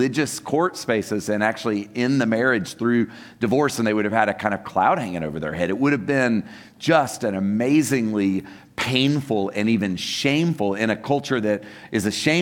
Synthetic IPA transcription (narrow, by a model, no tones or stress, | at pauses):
ɪd͡ʒɨskʰɔɹtspeɪsɨzɨ̃næk̚t͡ʃʉl̩ˠiɪ̃nðɨmɛɹɪd̥ʒ̥θɹʉ | d̥ɨvɔɹsɨ̃n̩ðeɪwʊɾɨv̥ɨɾɨkʰãɪ̃ndʌ̥v̥kʰl̥a̰ʊd̚hæ̃ŋɪ̃ŋoʊvə˞ðə̰˞hɛɾɨt̚wʊɾɨvbɪ̃n | d͡ʒʌstɨ̃nɨmeɪzɪ̃ŋli | pʰẽɪ̃nfl̩ˠɨ̃nivɨ̃nʃẽɪ̃ɱfl̩ˠɪ̃ñɨkʰʌlˠt͡ʃə˞ðɨɾʔɨzɨʃẽɪ̃